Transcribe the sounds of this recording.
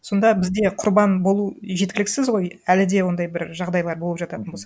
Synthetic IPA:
so̞nd̪ɑbɪzd̪e̞qʰʊɾbɑnbo̞lˠuʒet̪kʲɪlɪkʲsɪzʁo̞jælɪd̪e̞wo̞nd̪ɑjbɪɾʒɑʁd̪ɑjlˠɑɾbolˠəpʒ̥ɑt̪ɑt̪ənbo̞s

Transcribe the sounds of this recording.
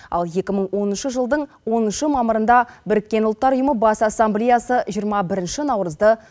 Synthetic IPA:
ɑ̰lˠje̞kʲɪməɴwo̞nənʃəʒəlˠd̪əɴ | wo̞nənʃəmɑməɾənd̪ɑbɪɾɪkʲːe̞nʊlˠət̪ːɑɾʊjəməbɑsasːamblʲejasəʒijəɾmɑbɪɾɪnʃɪnɑwɾəzd̪ə

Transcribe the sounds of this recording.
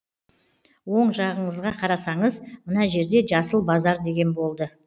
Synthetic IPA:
wo̞ɴʒɑʁəɴəzʁɑqʰɑɾɑsɑɴəzmənɑʒe̞ɾd̪e̞ʒɑsəlˠbɑzɑɾd̪e̞ɡʲe̞nbo̞lˠd̪ə

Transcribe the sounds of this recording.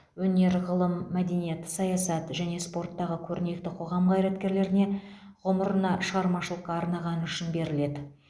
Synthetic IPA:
wɵne̞ɾʁəlˠəmːæd̪e̞nije̞t̪sɑjɑsɑt̪ʒæne̞spo̞rt̪ːɑʁəkʲʰɵɾɪne̞k̚t̪ɪqʰo̞ʁɑmʁɑjɾɑt̪kʲe̞ɾle̞ɾɪne̞ʁʊməɾənɑʃəʁɑɾmɑʃəlˠəqːɑːɾnɑʁɑnʏʃɪnbe̞ɾɪle̞d̪ɪ

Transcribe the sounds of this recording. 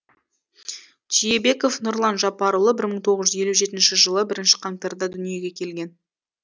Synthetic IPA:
ʒijebe̞ko̞fnʊɾlˠɑnʒɑpɑɾulˠəbɪɾməɴt̪ʰo̞ʁəzʒʏzje̞luʒe̞t̪ɪnʃɪʒəlˠəbɪɾɪnʃɪ̥qʰɑŋt̪eɾd̪ɑd̪ʏnije̞ɡʲe̞kʲʰe̞lɡʲe̞n

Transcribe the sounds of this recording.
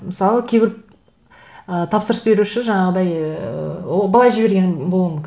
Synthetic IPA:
məsɑlˠəkʲʰebʲɪɾ | ət̪ʰɑpsəɾəsbe̞ɾuʃɪʒɑɴɑʁəd̪ɑjəwobɑlˠɑjʒɪbe̞ɾɡʲe̞nbo̞lˠumʏmŋʲkʲɪ

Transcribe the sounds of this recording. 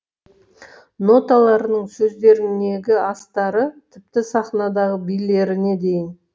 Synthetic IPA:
no̞t̪ɑlˠɑɾənəɴsɵzd̪e̞ɾɪnd̪e̞ɡʲɪɑst̪ɑɾət̪ʰɪp̚t̪ɪsɑχnɑd̪ɑʁəbijle̞ɾɪne̞d̪e̞jɪn

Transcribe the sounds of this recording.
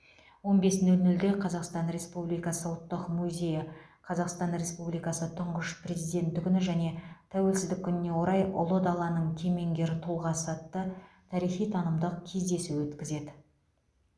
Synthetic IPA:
wo̞nbe̞sɪnɪlnʏld̪e̞qʰɑzɑqst̪ɑnɾe̞spublijkɑsəwt̪ːəqmuzʲe̞jɪqʰɑzɑqst̪ɑnɾe̞spublijkɑsət̪ʰʊɴʁəʃpʰrʲe̞zijd̪e̞nt̪ːɪkʲʏnɪʒæne̞t̪ʰæwe̞lsɪzd̪ɪkʲʰːʏnɪne̞wo̞ɾɑjʔʊ̰lˠəd̪ɑlˠɑnəɴkʲʰe̞me̞ŋɡʲe̞ɾɪt̪ʰulˠʁɑsɑt̪ːə | t̪ʰɑɾijχijt̪ʰɑnəmd̪əqkʲʰe̞zd̪e̞suwwɵt̪kʲɪze̞d̪ɪ

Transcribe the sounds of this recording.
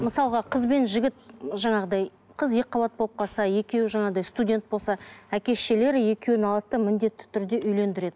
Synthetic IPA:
məsɑlˠʁɑqʰəzbe̞nʒɪɡʲɪt̪ʒɑɴɑʁəd̪ɑj | qʰəzjeqʰːɑbɑt̪̚bʰo̞p̚qɑsɑje̞kʲe̞wɪʒɑɴɑʁd̪ɑjst̪udʲe̞nt̪̚bo̞lˠsɑækʲe̞sʃe̞le̞ɾɪje̞kʲe̞wɪnɑlˠt̪ːəmɪnd̪e̞t̪ːɪ̥t̪ʰʏɾd̪e̞ʔʏjle̞nd̪ɪɾe̞d̪ɪ

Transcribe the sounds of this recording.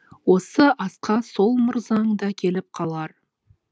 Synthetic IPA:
wo̞səʔɑsqɑso̞lˠmʊɾzɑɴd̪ɑkʲʰe̞lɪp̚qʰɑlˠɑɾ

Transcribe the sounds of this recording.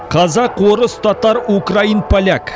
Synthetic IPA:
qʰɑzɑqwoɾəst̪ʰot̪ɑɾukrainpʰalʲak

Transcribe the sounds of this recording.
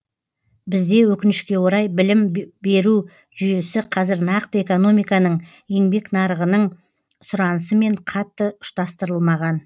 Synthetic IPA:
bɪzd̪e̞wɵkʲɪnɪʃkʲe̞wo̞ɾɑjbɪlɪmbe̞ɾu | ʒʏje̞sɪqʰɑzɪɾnɑqt̪əe̞ko̞no̞mijkɑnəɴ | je̞ŋbe̞knɑɾəʁənəɴ | sʊɾɑnəsəme̞ɴqʰɑt̪ːəʊ̥ʃt̪ɑst̪əɾəlˠmɑʁɑn

